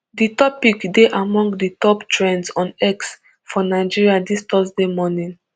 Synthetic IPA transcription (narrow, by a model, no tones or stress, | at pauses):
ditɔpikdeʔamɔ̃ŋɡditɔptɹɛ̃nsɔ̃nɛks | fɔnaɪd͡ʒiɹiadistɔsdemɔnĩn